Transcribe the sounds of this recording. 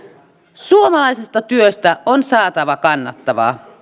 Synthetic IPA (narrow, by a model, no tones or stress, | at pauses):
suomɑlɑisest̪ɑt̪yøst̪æʔonsɑːt̪ɑʋɑkɑnːɑt̪ːɑʋɑ̰ː